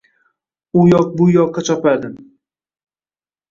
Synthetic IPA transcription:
ʊjɒq̚bʊjɒqʰːɑt͡ʃʰɒpad̪ɪ

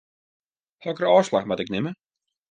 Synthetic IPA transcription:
hɔkərəɔːslaxmatɪknɪmə

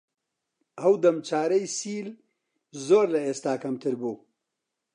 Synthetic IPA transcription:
ɐwd̪ɐmt͡ʃaːɾɐjsiːl | zoːɾlɐeːst̪aːkɐmt̪ʰɨɾbuː

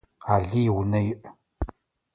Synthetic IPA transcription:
aːɮiːwnɐjɪʔ

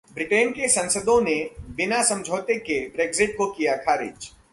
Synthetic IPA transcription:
bɾɪʈeːnkesɐ̃nsəd̪õnebɪnasɐ̃md͡ʒʱoːt̪ekebɾeːɡzɪʈ̚kokijakʰaːɾɪ̰ːd͡ʒ

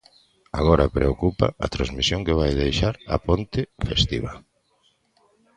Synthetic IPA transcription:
aɣɔɾɐpɾeokupa̰ɐt̪ɾazmisjõŋkeβajðejʃaɾɐ̰pont̪ɪfest̪iβɐ

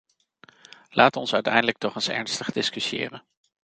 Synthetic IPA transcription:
lʔaːtɔnsœɥtɛjndələk̚tɔχənsɛ̰ɹnstəχdɪskysiɪ̰ːrən

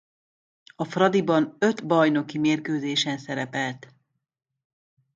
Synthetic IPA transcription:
ɒfrɒd̪ibɒnø̞t̪bɒjno̞kimeːrkøːzeːʃɛnsɛɾɛpɛlt̪

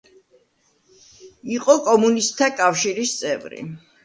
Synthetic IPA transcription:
iqʼɔkʼɔmunistt̪ʰːakʼafʃiɾist̪sʼɛvɾḭ

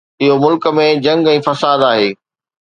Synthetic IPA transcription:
ɪɦomʊlkə̆mẽd͡ʑɐ̃ŋɡɛ̃ːfɐsaːd̪aːɦeː

